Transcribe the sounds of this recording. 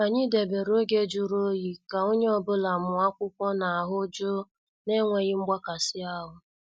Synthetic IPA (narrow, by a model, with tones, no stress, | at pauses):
a˨ɲi˦de˨be˨ɾo˦ɡe˦d͡ʒu˦ɾo˦ji˨ka˨o˦ɲe˦ɔ˦bʊ˦la˨mʊ˨a˦kʷʊ˦kʷɔ˦na˨a˨ɦʊ˦d͡ʒo˦ | ne˦ŋʷe˨ɣɪ˦ŋ͡m̩˦ɡ͡ba˦ka˨sɪ˦a˦ɦʊ˨